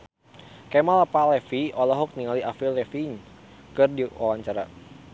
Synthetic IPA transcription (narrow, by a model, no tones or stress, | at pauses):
kɛmalapalɛfiɔlɔɦɔk̚niŋaliafilɛfiɲkɨrdiwʔawaɲt͡ʃaɾa̰